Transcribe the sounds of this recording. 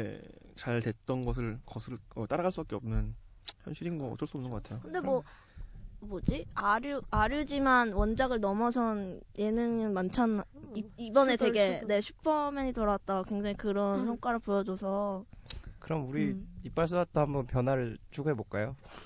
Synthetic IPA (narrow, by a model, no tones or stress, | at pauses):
t͡ɕaɭtwe̞t̚t͈ʌnɡʌs̬ʰɯɭkʌsʰɯɭʌt͈aɾaɡaɭs͈ubak͈eʌmnɯn | çjʌnɕʰiɾinɡʌʌt͡ɕ͈ʌɭs͈uʌnɯnɡʌk͈atʰejokɯnde̞mwʌ | bod͡ʑiaɾjuaɾjud͡ʑimanwʌnd͡ʑaɡɯɭnʌmʌsʰʌnje̞nɯŋɯnmant͡ɕʰanaiibʌne̞teɡe̞ne̞ɕʰupʰʌmeɲitoɾat̚t͈akwe̞ŋd͡ʑaŋikɯɾʌnsʰʌŋk͈aɾɯɭpojʌd͡ʑosʰʌ | kɯɾʌmuɾiip͈aɭs̬͈dat̚t͈ʰahambʌnpjʌnwaɾɯɭt͡ɕʰoɡɦebok͈ajo